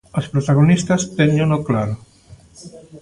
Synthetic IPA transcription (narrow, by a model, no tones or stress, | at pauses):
ospɾot̪aɣ̞onist̪ast̪eɲenoklaɾo